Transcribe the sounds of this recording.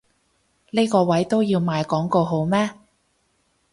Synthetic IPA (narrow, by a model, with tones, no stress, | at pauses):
ne˥jkɔː˧wɐ˨˥jt̪o˥wjiː˧wmaː˨˧jkɔː˨˥ŋko˧ɦo˨˥wmɛː˥